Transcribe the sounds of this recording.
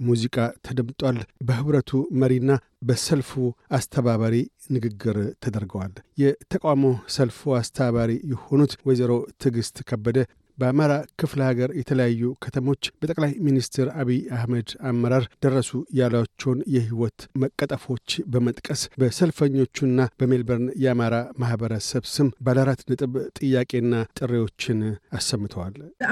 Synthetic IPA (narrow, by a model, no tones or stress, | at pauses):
muzikʼat̪ʰəd̪əmt̪ʼwalbəhɨβɾət̪ʰuməɾinːa | bəsəlfuast̪ʰəβaβaɾi | nɨɡɨɡːɨɾt̪ʰəd̪əɾɡəwaljɛt̪ʰəkʼawamosəlfuast̪ʰəβaβaɾijɛho̞nut̪wɔzəɾo̞t̪ʰɨɡɨst̪kʰəbːəd̪ə | bəamaɾakʰɨfləhaɡəɾjɛt̪ʰələjajːukʰət̪ʰəmo̞t͡ʃːbət̪ʼəkʼlajminist̪ʰeɾaβiahməd̪amːəɾaɾd̪̥ərːəsujalat͡ʃːɛwnjɛhiwɔt̪məkʼːət̪ʼəfo̞t͡ʃːbəmət̪ʼkʼəsbəsəlfəɲːo̞t͡ʃːunːab̥əmelbəɾnjɛamaɾamahbəɾəsəβsɨmbalaɾat̪nɨt̪ʼɨβt̪ʼɨjːakʼe̞nːat̪ʼɨrːewo̞t͡ʃːɪnasːəmːɨt̪ʰəwal